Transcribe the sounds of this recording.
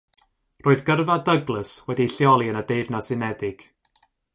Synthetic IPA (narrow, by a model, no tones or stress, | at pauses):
roːɨðɡərvadəɡlˠəswɛdiɬjɔlˠiənədeɨdnasɨnɛdɪɡ̥